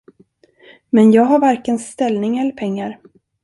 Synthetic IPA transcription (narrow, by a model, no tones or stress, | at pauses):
mɛnjɑːɡɦaɾvaɾkənst̪ɛlnɪŋɛlːəɾpʰɛŋːaɾ